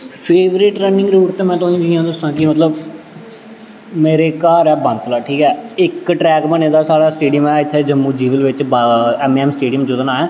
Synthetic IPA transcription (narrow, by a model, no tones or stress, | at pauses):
pʰeːʋɾɪʈɾɛːnɪ̃ŋɡɾuːʈt̪eːmɛ̃ːt̪oːĩːd͡ʒiãːd̪əsãːkimət̪ləb | meːɾeːkaːɾɛːbə̃nt̪ːlaːʈʰiːkɛːɪkʈɾɛːkmənẽːd̪aːsaːɽaːsʈeːɖɪjəmɛːɪt̪ʰːeːd͡ʒəmːũːd͡ʒiːʋəlʋɪt͡ʃbɛːmːɛːmsʈeːɖɪjəmd͡ʒʊd̪naːɛː